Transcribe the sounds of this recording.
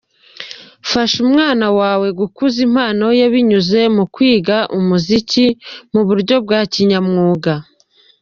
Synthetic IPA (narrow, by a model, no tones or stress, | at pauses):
faʃumŋaːnawaːwe̞ɡukuzim̥haːno̞jaβiɲuze̞mukwiːɡaʔumuzicimuβuɾɟo̞bɡaːciɲamŋuːɡa